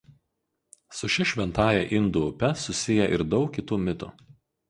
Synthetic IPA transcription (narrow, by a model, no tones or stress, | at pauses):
sʊʃʲɪʃʲʋʲɛnt̪ɑːjɛʔɪnd̪ʊʊpʲɛsʊsʲɪjɛʔɪɾd̪ɒʊkkʲɪt̪uːmʲɪt̪ʊ̰ˑ